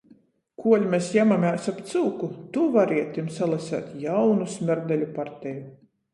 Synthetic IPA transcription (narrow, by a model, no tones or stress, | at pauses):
kʰuɔlʲmʲɛsjamamaːsapt̪sɨːkut̪uvaɾiɛt̪ːimsalˠasæ̰ːt̪jawnusmʲɛɾd̪ɛlʲupaɾt̪ʲɛju